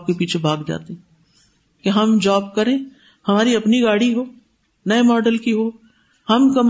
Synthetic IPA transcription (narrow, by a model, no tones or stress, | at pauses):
p̚kepiːt͡ʃʰebʱaːɡd͡ʒa̰ːt̪eɦ | keɦɐmd͡ʒaːbkɐɾẽː | hɐmaːɾiɐpniɡaːɽiɦoː | nɐemɔːɖəlkiɦoː | hɐmkɐm